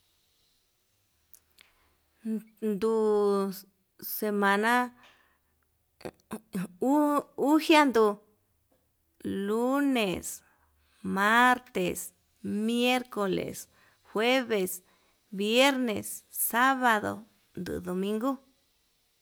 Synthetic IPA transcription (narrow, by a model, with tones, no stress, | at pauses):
nd̪u˧˨ | se˧mã˧nã˦ | u˦hja˦nd̪u˧ | lu˦nẽ˨s | ma˦ɾt̪e˨s | mje˦ɾko˨lḛ˨s | xwe˦βe˨s | βje˦ɾnẽ˨sːa˦βa˧ðo̰˨ | nd̪ṵ˨ðo˨mĩ˧˦ŋɡu˦